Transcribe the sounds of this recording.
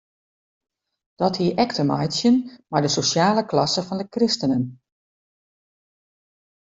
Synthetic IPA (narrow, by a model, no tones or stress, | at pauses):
d̥ɔthiəʔɛktʰəmɔ̰jsjənmaɹdəsosjaːləklɑsəfɔndəkrɪstənən